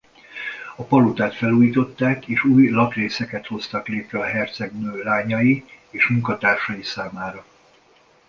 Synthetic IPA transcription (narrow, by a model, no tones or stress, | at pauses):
ɒpɒlut̪aːt̪fɛluːjit̪o̞t̪ːaːkeːʃuːjlɒk̪reːsɛkɛt̪ho̞st̪ɒkleːt̪ɾɛɒɦɛrt̪sɛɡnøːlaːɲɒji | eːʃmuŋkɒt̪aːrʃɒjisaːmaːɾɒ